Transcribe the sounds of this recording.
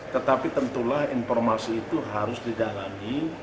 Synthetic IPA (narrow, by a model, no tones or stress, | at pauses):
t̪ət̪apit̪ənt̪ulahinfɔrmasiːt̪uɦaɾʊsdidalami